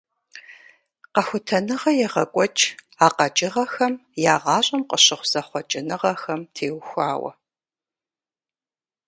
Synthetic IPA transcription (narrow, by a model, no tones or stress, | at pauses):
qɐxʷʊtʰɐnɨʁɐjɛʁɐkʷʼɔt͡ʃʼ | aːqɐt͡ʃʼɪʁɐxɐmjaːʁɑːɕʼɐmqəɕɪχʷz̥ɐχʷɔt͡ʃʼɪnɨʁɐxɐmtʰeːwxʷaːwɐ̰